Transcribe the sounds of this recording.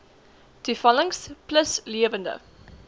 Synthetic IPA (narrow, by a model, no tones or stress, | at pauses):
d̥yfɐləŋspləsliəvəndə̰